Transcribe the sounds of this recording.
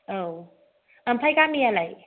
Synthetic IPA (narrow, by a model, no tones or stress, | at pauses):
ow | əmpʰajkamialaj